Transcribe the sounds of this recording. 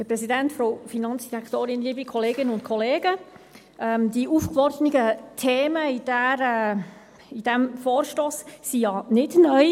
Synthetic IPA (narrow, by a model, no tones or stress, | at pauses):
həɾpɾɛsidɛntfɾofinɑnt͡sd̥iɾɛkt̪oːɾɪnliːbikʰɔleːɡɪnəʊntkʰɔleːɡ̥ə | ʔɛmd̥̪iʔuːfkvɔɾdənɪɡət̪ʰeːməid̥æɾɛ | id̥ɛmfɔːɾʃtoːsːijɑnɪdnœʏ